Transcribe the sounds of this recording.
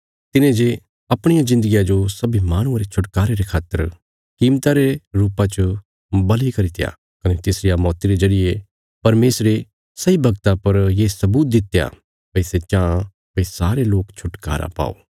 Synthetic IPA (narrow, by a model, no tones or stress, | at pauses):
t̪ɪnẽd͡ʒe | ɐpɽ̃ɪjazɪ̃nd̪əɡijãd͡ʒosɐbʱimaːɽ̃ʊ̃ãɾet͡ʃʰʊʈkaːɾeɾekʰaːt̪ːəɾ | kiːmt̪aɾeɾuːpãt͡ʃə | bɐlikɐɾit̪ʰɪja̰ | kɐnet̪ɪsɾɪjamɔːt̪iɾed͡ʒɐɾɪje | pɐɾmeːsɾe | sɐibʱɐɡt̪apɐɾjesɐbuːt̪̚d̪ɪt̪eja̰ | pɐɪset͡ʃãː | pɐisaːɾeloːkt͡ʃʰʊʈka̰ːɾa̰pa̰ːo̰ː